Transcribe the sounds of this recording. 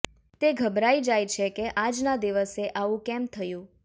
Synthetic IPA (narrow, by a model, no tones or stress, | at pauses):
t̪eɡʱəbɾaid͡ʒajt͡ʃʰekeʔad͡ʒnad̪iʋəseʔaʋũkɛmt̪ʰəjũ